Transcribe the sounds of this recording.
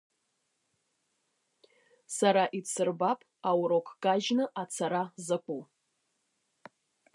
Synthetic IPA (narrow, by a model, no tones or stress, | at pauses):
saɾaʔit͡sʰɨrbapʼawɾokʷʰʼɡ̥aʒnɨʔat͡sʰaɾazɨkʷʼu